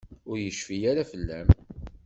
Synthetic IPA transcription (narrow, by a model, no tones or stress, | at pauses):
ʊɾjəʃfijaɾafəlːæm